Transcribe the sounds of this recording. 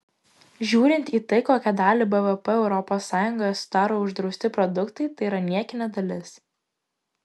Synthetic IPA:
ʒʲuːɾʲɪnʲt̪iːt̪ɐɪkoːkʲɛd̪ɑːlʲɪbɛʋɛpɛɛʊɾɔpoːsːɑːjʊŋɡojɐsʊ̥d̪ɑːɾoːʊʒd̪ɾɒʊsʲt̪ʲɪpɾɔd̪ʊkt̪ɐɪt̪ɐɪiɾɐnʲiɛkʲɪnʲɛd̪ɐlʲɪs

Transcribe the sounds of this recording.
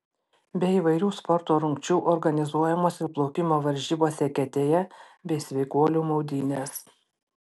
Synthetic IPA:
bʲɛiːʋɐɪɾʲuːspɔɾt̪oːɾʊŋʲkt͡ʃʲuːʔɔɾɡɐnʲɪzuɔjɛmoːsʲɪplˠɔʊkʲɪmoːʋɐɾʲʒʲiːboːsʲɛkʲɛt̪ʲeːjɛ | bʲɛɪsʲʋʲɛɪkuɔlʲuːmɔʊd̪ʲiːnʲeːs

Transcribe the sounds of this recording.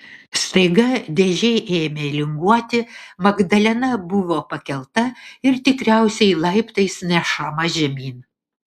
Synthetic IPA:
st̪ɐɪɡɐd̪ʲɛʒʲɛɪʔeːmʲelʲɪŋɡuɔt̪ʲɪmɐɡd̪ɐlʲɛnɐbʊʋoːpɐkʲɛlˠt̪ɐɪɾt̪ʲɪkɾʲæˑʊsʲɛɪlˠɐɪpt̪ɐɪsnʲɛʃɐmɐʒʲɛmʲiːn

